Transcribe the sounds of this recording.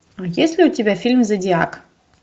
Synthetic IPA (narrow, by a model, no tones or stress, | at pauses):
ajesʲlʲɪʊtʲɪbʲafʲilʲmzɐdʲɪak